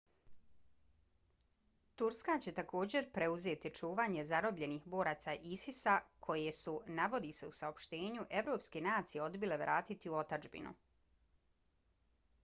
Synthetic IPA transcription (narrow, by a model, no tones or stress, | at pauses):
t̪uɾskat͡ɕe̞t̪ako̞ːd͡ʑe̞ɾpɾe̞uze̞ːt̪it͡ʃuːʋaːɲe̞zaɾo̞bʎe̞nixbo̞ːɾat̪saʔisisakʰo̞jesunaʋo̞d̪ise̞usao̞pʃt̪e̞ːɲuʔe̞ʋɾo̞ːpskenaːt̪sijeo̞d̪bile̞ʋɾʔaːt̪it̪iuo̞t̪ad͡ʒbḭnṵ